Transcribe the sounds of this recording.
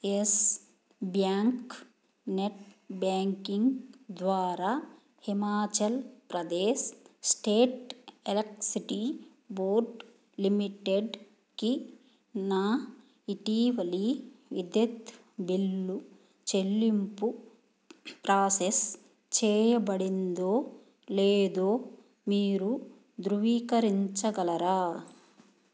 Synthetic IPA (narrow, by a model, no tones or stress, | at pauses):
es | bjaːŋk | neʈbjaːŋkiŋɡd̪ʋaːɾa | himaːt͡ʃɐlpɾɐd̪eːssʈeːʈelɐksiʈi | boːɾɖ | limiʈeɖ | ki | naː | iʈiːʋɐliʋid̪jɐt̪ | bilːu | t͡ʃelːimpu | pɾaːses | t͡ʃɛːjɐbɐɽind̪oː | leːd̪oː | miːɾu | d̪ɾuʋiːkɐɾiɲt͡ʃɐɡɐlɐɾaː